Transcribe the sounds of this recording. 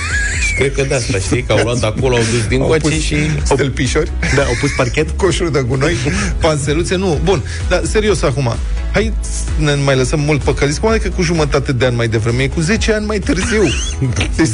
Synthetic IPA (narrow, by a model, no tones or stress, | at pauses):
ʃi̥kɾed̪̚kəd̪aast̪aʃijkəawlowat̪akoloawd̪us̬d̪inat͡ʃpuseʃisawt̪elpiʃorʲd̪aa̰wpusparkʲet̪koʃuɾd̪əkuno̞j | panselut̪sienubun | d̪ase̞ɾio̞sakuma̰ | haj | nemajləsəmːult̪̚pəkəlit̪ʲkuvad̪ekəkuʒumət̪at̪e̞d̪eanʲmajd̪e̞vɾemeekuze̞t͡ʃeanʲmajt̪ɨrziw | e